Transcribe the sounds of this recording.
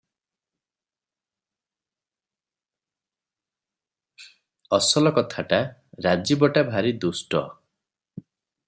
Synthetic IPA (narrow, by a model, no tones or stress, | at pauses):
ɔsɔlɔkɔt̪ʰaʈaɾad͡ʒibɔʈabʱaɾid̪usʈɔ̰